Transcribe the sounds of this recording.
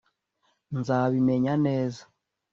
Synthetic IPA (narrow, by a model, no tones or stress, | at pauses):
nzaːβime̞ɲaneːzḁ